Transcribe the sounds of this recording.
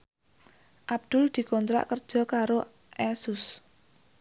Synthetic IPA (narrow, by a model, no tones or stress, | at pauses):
ʔab̚d̪̥ʊld̪̥i̤kɔnt̪ɾa̰ʔkərd̥ʒ̥ɔ̤kaɾo | ʔɛsʊs